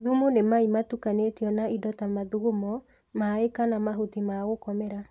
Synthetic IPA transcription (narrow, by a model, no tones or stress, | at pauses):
ðumonemaimatukanetiɔnaʔidɔtamaðuɣomɔ | maekanamaɦotimaɣokɔmɛɾa